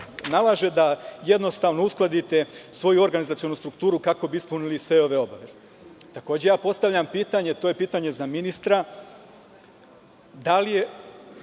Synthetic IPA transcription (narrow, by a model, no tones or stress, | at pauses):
nalˠaʒe̞d̪aje̞d̪no̞st̪aːʋno̞usklˠad̪it̪e̞sʋo̞juo̞ɾɡanizat̪sionust̪ɾukt̪uːɾukako̞biispunilisʋe̞o̞ʋe̞o̞baʋe̞z̥e | t̪ako̞ːd͡ʑe̞jaːpo̞st̪aʋʎampiːt̪aɲe̞t̪ojepiːt̪aɲe̞zaminist̪ɾa | d̪alije